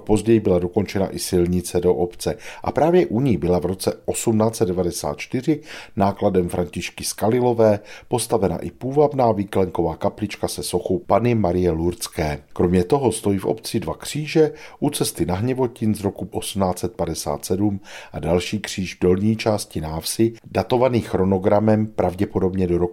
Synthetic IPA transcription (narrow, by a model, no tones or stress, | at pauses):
apo̞zɟɛjɪbɪlado̞ko̞nt͡ʃɛna̰ʔɪsɪlɲɪt͡sɛdo̞ʔopt͡sɛʔa̰pɾaːvjɛʔuɲɪbɪlavɾo̞t͡sɛʔosumnaːt͡sɛt̪dɛvadɛsa̰ːt̪̚t͡ʃt̪ɪr̝ɪnaːkladɛmfɾaɲcɪʃkɪskalɪlo̞vɛːpo̞st̪avɛna̰ʔɪpuːvabnaːviːklɛŋkovaːkaplɪt͡ʃkasɛso̞xowpanɪmaɾɪjɛluɾt͡skɛːkɾo̞mɲɛt̪o̞ɦo̞st̪o̞jiːfʔo̞̰pt͡sɪdvakr̝̥iːʒɛʔut͡sɛst̪ɪnaɦɲɛvo̞cɪnzɾo̞kuʔosumnaːt͡sɛt̪̚padɛsa̰ːt̪sɛdumʔadalʃiːkr̝̥iːʒvdo̞lɲiːt͡ʃaːscɪnaːfsɪdat̪o̞vaniːxɾo̞no̞ɡɾamɛmpɾʔavɟɛpo̞do̞bɲɛdo̞ɾok